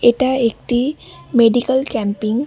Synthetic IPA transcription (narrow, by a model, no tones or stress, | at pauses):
eʈaek̚ʈ̪imeɖikəlkɛ̃mpiŋɡ